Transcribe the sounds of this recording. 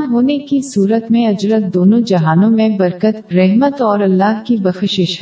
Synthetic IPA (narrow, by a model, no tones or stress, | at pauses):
ɦoːnekisuːɾət̪mẽɐd͡ʒɾət̪̚d̪oːnõd͡ʒɐɦaːnõmẽbɐɾkət̪ɾɛɦmət̪ɔːɾɐlːaːɦkibɐxʃɪʃ